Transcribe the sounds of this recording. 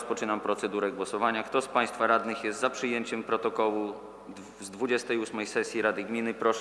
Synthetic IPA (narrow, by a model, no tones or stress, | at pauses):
spɔt͡ʂɘnampɾɔt̪sɛd̪uɾɛɡwɔsɔvaɲakt̪ɔspaj̃st̪faɾad̪nɘxjɛst̪zapʂɘjeɲt͡ɕɛmpɾɔt̪ɔkɔwu | zd̪vud͡ʑɛst̪ɛjusmɛjsɛsʲjiɾad̪ɘɡmʲinɘpɾɔʂ